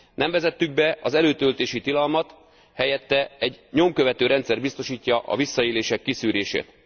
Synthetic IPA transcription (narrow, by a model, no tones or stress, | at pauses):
nɛɱvɛzɛt̪ːyɡ̚bɛɒzɛløːt̪ølt̪eːʃit̪ilɒlmɒt̪ | hɛjɛt̪ːɛɛɟɲo̞mkø̞vɛt̪øːɾɛnt̪sɛrbist̪o̞ʃiːcːɒʔɒ̰visːɒeːleːʃɛkːisyːɾeːʃḛːt̪